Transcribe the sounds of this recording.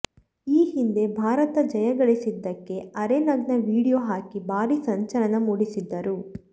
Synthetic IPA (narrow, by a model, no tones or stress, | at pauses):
iːɦind̪e̞bʱaːɾɐt̪ɐd͡ʒɐjɐɡɐɭisid̪ːɐkːe̞ɐɾenɐɡnɐʋiːɽijoːɦaːkibʱaːɾisɐɲt͡ʃɐɾɐnɐmuːɽisid̪ːɐɾu